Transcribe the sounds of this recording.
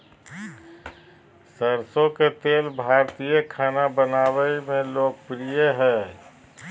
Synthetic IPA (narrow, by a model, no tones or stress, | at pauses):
səɾsõket̪eːlbʱaːɾt̪ijekʰaːnabənaːwəimẽloːk̚pɾijeɦɛː